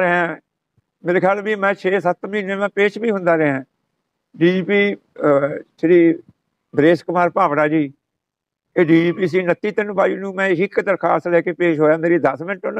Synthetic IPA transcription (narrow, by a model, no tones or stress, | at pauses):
ɾeɦãː | meːɾeːkʰɛːlbiːmɛ̃ːt͡ʃʰeːsət̪mĩːneːmɛ̃ːpeːt͡ʃbiːɦʊ̃nd̪aːɾɪɦãː | ɖiːd͡ʒiːpiː | t͡ʃʰeːɽiː | b̪ɾeːskəmaːɾpaːʋɽaːd͡ʒiː | eːɖiːd͡ʒiːpiːs̬iːnət̪ːiːt̪ənbaːiːnũːmɛ̃ːɦɪkːt̪əɾkʰaːsɾɛːkeːpeːʃɦoːjãːnd̪eːɾiːd̪əsmɪ̃nʈʊn